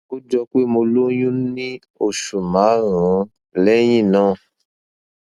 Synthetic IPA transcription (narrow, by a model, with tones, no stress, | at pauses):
o˦d͡ʒɔ˧k͡pe˦mo˧lo˦jũ˦nĩ˦ | o˦˨ʃu˨mã˨˦ɾã˨˦ | lɛ˦j̃ĩ˦˨nã˦˨